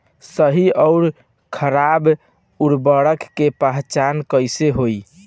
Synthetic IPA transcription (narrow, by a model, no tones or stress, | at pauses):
səɦiɔʊɾ | kʰəɾab | uɾbəɽəkːepəɦt͡ʃankəjseɦoj